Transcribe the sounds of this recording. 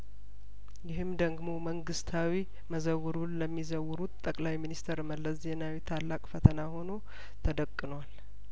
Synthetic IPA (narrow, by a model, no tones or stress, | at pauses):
jɪɦɨmd̪əɡmo̞məŋɡɨst̪ʰawi | məzəwɨɾunləmːizəwɾut̪t̪ʼːəkʼlajminist̪ʰəɾməlːəs̬zenawit̪ʰalːakʼfət̪ʰənaho̞no̞ | t̪ʰəd̪əkʼːɨnwal